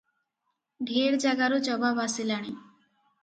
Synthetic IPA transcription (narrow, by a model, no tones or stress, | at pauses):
ɖʱeɾd͡ʒaɡaɾut͡ʃɔbamasilaɽ̃i